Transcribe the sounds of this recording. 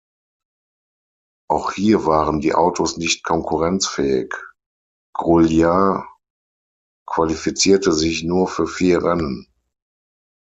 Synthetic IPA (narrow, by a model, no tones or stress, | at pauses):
ʔaʊxhiːɐvaːʁəndiːʔa̰ʊtʰosnɪçtkʰɔŋkʰuʁɛnt͡sfɛːɪ̰k | ɡ̥ʁulja | kv̥alifit͡siːɐtəzɪçnuːɐfyːɐfiːɐʁɛnən